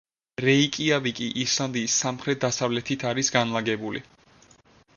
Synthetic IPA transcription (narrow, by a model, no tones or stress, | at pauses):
ɾɛikʼiabikʼiʔiɾsland̪iːsːamχɾɛt̪̚ʰd̪asavlɛt̪ʰit̪ʰaɾisɡanlˠaɡɛbulḭ